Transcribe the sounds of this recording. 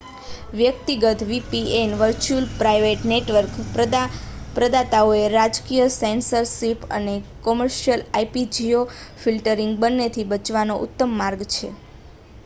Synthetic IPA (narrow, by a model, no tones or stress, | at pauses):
ʋjəkt̪iɡət̪ʋipienʋəɾt͡ʃulpɾajʋeʈneʈʋəɾk̪ | pɾəd̪at̪aoeɾad͡ʒkijəsensəɾsipə̰nekɔməɾʃjəlaipid͡ʒiofilʈəɾiŋɡbənːet̪ʰibət͡ʃʋanoʔʊ̰t̪ːəmːaɾɡt͡ʃʰe